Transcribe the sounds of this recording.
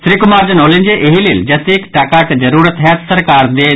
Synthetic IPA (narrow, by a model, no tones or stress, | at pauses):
sɾiːkʊmaːɾd͡ʒɐnoːlĩnd͡ʒeʔeɦilild͡ʒɐsikʈaːkaːʈd͡ʒɐɾuːɾət̪ɦɛːt̪sɐɾkaːɾd̪eː